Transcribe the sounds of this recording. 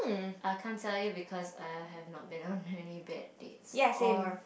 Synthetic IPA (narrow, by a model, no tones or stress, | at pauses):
ʔaɪkʰãntʰɛljubikʰɔza̰ɪɛvnɔt̚bĩnɔ̃nɛnibɛ̰t̚d̥ḛtsjɛsẽ